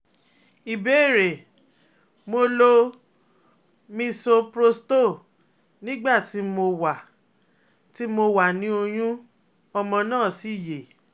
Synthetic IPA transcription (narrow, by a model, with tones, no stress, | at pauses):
i˨be˨˦˨ɾe˨ | mo˧lo˧ | mĩ˦˧so˧pɾo˧sto˦˨ | nĩ˦ɡ͡ba˦˨ti˨˦mo˧wa˨ | ti˦mo˧wa˨nĩ˨˦o˧j̃ũ˦ | ɔ˧mɔ̃˧nãː˦˨si˨˦˨je˨